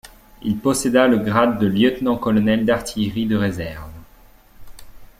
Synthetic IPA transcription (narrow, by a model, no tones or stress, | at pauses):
ilpɔsed̪aləɡʁad̪ːəljœt̪nɑ̃kɔlɔnɛld̪aʁt̪ʰijʁid̪əʁezɛʁv